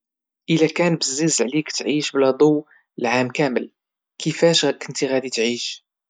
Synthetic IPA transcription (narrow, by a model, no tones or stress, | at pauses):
ʔəlækænbəzːizʕlikt̪ʕiʃblæd̪ˤow | lʕamkæməl | kʰəfæʃkənt̪iɣæd̪it̪ʕiʃ